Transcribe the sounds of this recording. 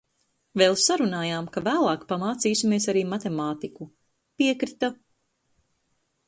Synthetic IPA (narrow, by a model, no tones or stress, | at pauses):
veːlˠsaɾunaːjaːmkavæːlˠɑːkpamaːt̪siːsʲimiɛsaɾiːmat̪emaːt̪iku | piɛkɾit̪a